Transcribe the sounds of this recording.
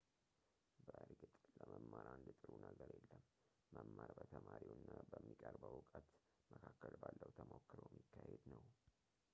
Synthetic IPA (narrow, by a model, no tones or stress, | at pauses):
bəɨɾɡɨt̪ʼləməmːaɾand̪ɨt̪ʼɨɾunəɡəɾjelːəmː | əmːaɾbət̪ʰəmaɾiwɨnːabəmːikʼəɾbəwʊkʼət̪ | məkʰakːəlbalːəwt̪ʰəmokːɨɾojmːikʰːahed̪nəw